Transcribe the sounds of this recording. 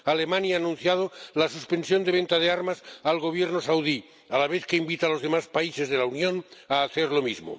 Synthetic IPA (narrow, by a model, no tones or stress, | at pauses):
alemanjaːnũn̟θjað̞olasuspe̞nsjo̞nd̪e̞β̞e̞nt̪að̞eaɾmasalɣo̞β̞jeɾnosawði | alaβ̞eθkeimbit̪alo̞zð̞e̞maspaise̞zð̞e̞launjõ̞naːθeɾlo̞mizmo̰